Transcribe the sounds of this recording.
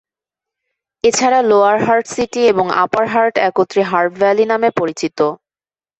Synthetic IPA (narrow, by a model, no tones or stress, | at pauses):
et͡ɕʰaɾaloaɾɦaɾʈsiʈieboŋa̰paɾɦaɾʈɛkot̪ːɾiɦaɾpbɛlinamepoɾit͡ɕit̪o